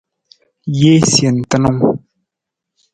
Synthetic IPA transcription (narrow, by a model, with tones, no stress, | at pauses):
je˦sje˨n̩˨tə˦no˦ŋ